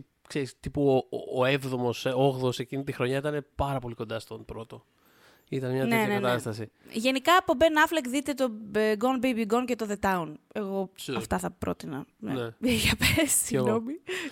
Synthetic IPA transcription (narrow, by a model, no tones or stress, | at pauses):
kseɾist̪ipuo̰ːe̞vðo̞mo̞soɣðose̞cinit̪ixɾo̞ɲɐit̪ɐne̞pɐɾɐpo̞liko̞nd̪ɐst̪o̞npɾo̞t̪o̞ | it̪ɐnemɲɐtneenɐnekɐnt̪ɐst̪ɐsiʝe̞nikɐːpobenɐflekðit̪e̞t̪o̞ɡonbejbiɡonce̞t̪o̞ðe̞t̪ɐune̞ɣo̞ɐft̪ɐθɐpɾo̞̰t̪inɐneneʝɐpessiɣnno̞mi